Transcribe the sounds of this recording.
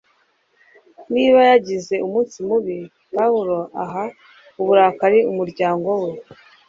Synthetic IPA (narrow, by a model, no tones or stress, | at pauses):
niːβajaɟize̞umuːnsimuβi | pauɾo̞aɦa | uβuɾaːkaɾiumuɾɟaːŋɡo̞we